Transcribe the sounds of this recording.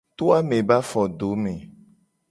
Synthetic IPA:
t̪o˦a˦mẽ˨ba˦fɔ˨ɖo˨˦mẽ˨

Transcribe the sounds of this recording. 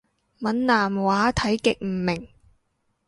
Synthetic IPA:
mɐ˨˥nnaː˨mwaː˨˥t̪ʰɐ˨˥jkɪ˨k̚m̩˨˩mɪ˨˩ŋ

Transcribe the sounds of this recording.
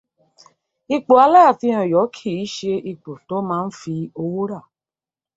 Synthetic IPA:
i˧k͡po˨a˧la˦ja˦˨tĩ˧˦ɔ̃˨jɔ˨˦kʰi˦˨i˨˦ʃe˧i˧k͡po˨to˦mãː˦n̩˦fi˧o˧wo˦ɾa˦˨

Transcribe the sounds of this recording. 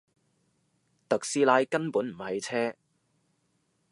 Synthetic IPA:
t̪ɐ˨k̚siː˧laː˧jkɐ˥npuː˨˥nm̩˨˩hɐ˨˧jt͡sʰɛː˥

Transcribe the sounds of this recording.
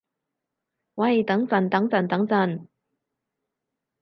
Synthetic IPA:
wɐ˧˥˨jt̪ɐ˨˥ŋt͡sɐ˨˩nt̪ɐ˨˥ŋt͡sɐ˨˩nt̪ɐ˨˥ŋt͡sɐ˨˧˩n

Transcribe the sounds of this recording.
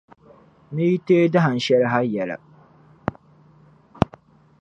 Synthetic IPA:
ni˦ji˦teː˦da˦ɦa˨n̩˨ʃɛ˦lɪ˦ɦa˦jɛ˨la̰˨

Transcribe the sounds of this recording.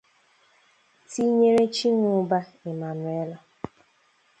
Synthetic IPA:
ti˦ɲe˦ɾe˦t͡ʃi˦ŋʊ˨˦ba˦ɪ˨ma˨nʊ˨e˦lɔ˨

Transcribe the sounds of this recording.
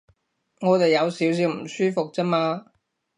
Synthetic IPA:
ŋɔː˨˧t̪e˨jjɐ˨˧wsiː˨˥ws̬iː˨˧wm̩˨˩syː˥fʊ˨k̚t͡sɛ˥maː˧

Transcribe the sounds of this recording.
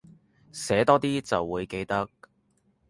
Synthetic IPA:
sɛː˨˥t̪ɔː˥t̪iː˥t͡sɐ˨wːuː˨˧jke˧jt̪ɐ˥k̚

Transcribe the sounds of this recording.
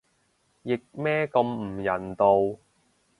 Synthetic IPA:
jɪ˨k̚mɛː˥kɐ˧m̩˨˩jɐ˨˩nt̪o˧w

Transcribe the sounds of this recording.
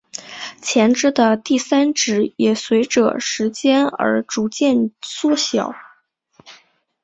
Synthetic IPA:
t͡ɕʰjɛ˧˥nʈ͡ʂɻ̩˥d̪ə˨t̪i˥˩sa˥nʈ͡ʂɻ̩˧˥jɛ˨˩swe˧˥ɪʈ͡ʂɤ̰˧ʂɻ̩˧˥t͡ɕjɛ˥nə̰˞˧˥ʈ͡ʂu˧˥t͡ɕjɛ˥˩nswɔ˥˩ɕjɑ̰˨˩˦ʊ

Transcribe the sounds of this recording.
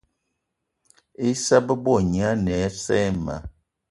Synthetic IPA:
e˦sa˦bə˦bɔ˦˨ɲi˨a˦nɛ˨˦sɛ˦ma̰˨˦

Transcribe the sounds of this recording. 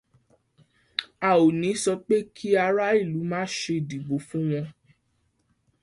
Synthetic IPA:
a˨o˨nĩ˨˦sɔ˧k͡pe˦kʰi˦a˧ɾa˦i˦˨lu˨˦mãː˦ʃe˧˨di˨ɡ͡bo˨˦fũ˦w̃ɔ̃˧

